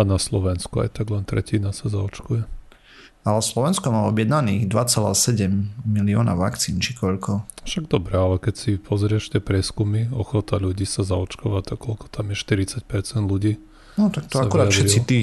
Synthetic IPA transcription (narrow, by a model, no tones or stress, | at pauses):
anaslɔʋɛnskua̰jt̪aɡlɛnt̪ɾɛ̰cinasazaɔt͡ʃkujɛ | alɛslɔʋɛnskɔmaːɔbjɛd̪naniːɣd̪ʋat͡sala̰sɛɟɛmːiliɔna̰ʋa̰kt͡siːnt͡ʃikɔʎkɔfʃaɡd̪ɔbɾɛalɛkɛcsipʰɔzɾɪɛʃt̪ɛpɾɪɛskumiɔxɔt̪aluɟiːsazaɔt͡ʃkɔʋat̪ɔkɔlkɔ̥t̪ʰamɪjɛʃt̪iɾit͡sac̚pɛɾt͡sɛnd̪luɟiː | nɔt̪ak̪ɔsaʋkuɾɾaafʃɛɾit͡sːit̪iː